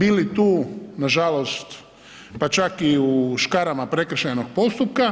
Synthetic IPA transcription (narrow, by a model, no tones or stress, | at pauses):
bilit̪uːnaʒalost̪ | pat͡ʃakiuʃkaɾamapɾe̞kr̩ʃajnoɡ̚po̞st̪up̚ka